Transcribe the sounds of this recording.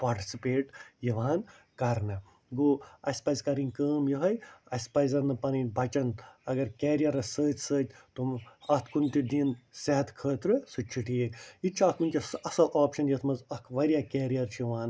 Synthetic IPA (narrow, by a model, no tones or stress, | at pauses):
paːɾʈi̥sipeːʈjiʋaːn | kɐɾnɐ | ɡoːɐsʲpɐjzkɐɾiŋkəːmjuɦɐjɐsʲpɐzɐnɨpɐninbʱɐt͡ʃɐnɐɡɐɾkɛːɾijɐɾɐsəːt̪ʲsəːt̪ʲt̪omɐt̪ʰkunt̪id̪insɛɦɐt̪kʰəːt̪ɾɨsut͡ʃʰːiʈijekit͡ʃʰɐkunʲkʲisɐsɐlaːpʃɐnjɐt̪ʰmɐzɐkʰʋɐɾʲijakeːɾijɐɾt͡ʃʰijiʋaːn